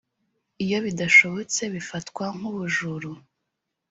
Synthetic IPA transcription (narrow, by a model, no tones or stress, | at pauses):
ijo̞βidaʃo̞βo̞t͡se̞βifatkwaŋ̥uβuʒuɾu